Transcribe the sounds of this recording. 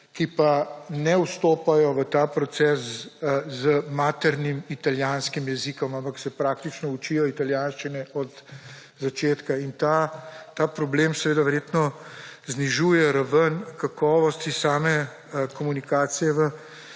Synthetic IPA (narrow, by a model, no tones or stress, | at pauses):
kipanɛuwst̪oːpajɔʋət̪aːpɾɔt̪sɛːs | zəmaːt̪ɛɾnimit̪aljaːnskimjɛzikɔmampaksɛpɾaːk̚t̪it͡ʃnɔut͡ʃijɔit̪aljaːnʃt͡ʃinɛʔɔd̪ | zat͡ʃeːt̪kaint̪at̪aːpɾɔbleːmsɛʋeːd̪aʋɛɾjet̪nɔzniʒuːjɛɾaʋənkakɔːʋɔst̪isaːmɛ | kɔmunikaːt̪sijɛʋə